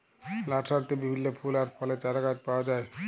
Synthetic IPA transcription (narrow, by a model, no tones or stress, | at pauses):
laʈʃaɾt̪ebibʱinːopʰulaɾpʰɔlet͡ɕaɾaɡat̪paoad͡ʑae